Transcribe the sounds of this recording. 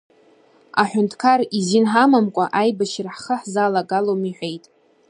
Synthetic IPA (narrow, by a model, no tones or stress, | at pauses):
aħʷᶣʊntʰkʰarizinħamamkʷʼaʔajbaʃraħχəħzalaɡalomiħʷᶣe̞jtʼ